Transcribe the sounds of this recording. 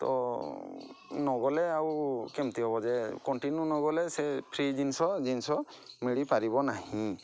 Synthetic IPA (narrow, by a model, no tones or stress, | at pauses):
t̪ɔ̰ | nɔɡɔleawkemt̪iɦɔbɔd͡ʒekɔɳʈinjunɔɡɔlesepʰɾid͡ʒinsɔd͡ʒinsɔmiɽipaɾibɔnahĩ